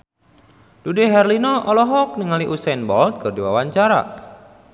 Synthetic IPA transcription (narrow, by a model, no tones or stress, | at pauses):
d̥udeɦɛrlinɔʔɔlɔɦɔk̚niŋaliʔusɛnbɔlt̪̚kərdiwa̰waɲt͡ʃaɾa̰